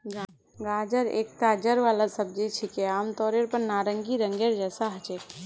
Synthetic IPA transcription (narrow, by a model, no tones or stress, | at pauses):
ɡ | ɡaːd͡ʒəɾḛːk̚t̪aːd͡ʒəɾʋaːlasəb̚d͡ʒit͡ʃʰikeaːmt̪ɔːɾeɾpəɾnaːɾəŋɡiɾəŋɡeɾd͡ʒɛːsaɦət͡ʃe